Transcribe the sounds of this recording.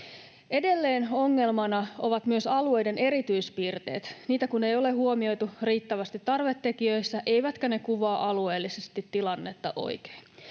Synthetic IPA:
e̞de̞lːe̞ːno̞ŋːe̞lmɑnɑo̞ʋɑt̪myøsɑlue̞jde̞ne̞ɾit̪yjspiːrt̪e̞̰ːt̪niːt̪ækune̞jo̞le̞ɦuo̞mio̞jt̪uriːt̪ːæʋæst̪it̪ːɑrʋe̞t̪ːe̞kiøisːæʔe̞jʋæt̪kæne̞kuʋɑːʔɑlue̞ːlːisest̪it̪ːilɑnːet̪ːɑ̰ʔo̰jke̥ːn

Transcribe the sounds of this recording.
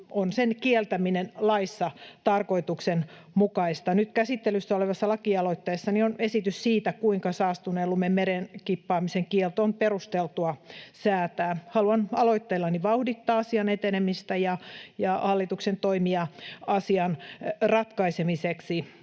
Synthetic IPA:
ʔonsenkielt̪æminenlɑisːɑt̪ɑrkoit̪uksen | mukɑist̪ɑnyt̪kæsit̪ːelysːæoleʋɑsːɑlɑkiɑloit̪ːeːsːɑnionesit̪yssiːt̪ækuiŋkɑsɑːst̪unelːumemmeɾenkipːɑːmiseŋkielt̪onperust̪elt̪uɑsæːt̪æːhɑluɑnɑloit̪ːelːɑniʋɑuhdit̪ːɑːɑsiɑnet̪enemist̪æjɑjɑhɑlːit̪uksent̪oimiɑɑsiɑnrɑt̪kɑisemiseksi

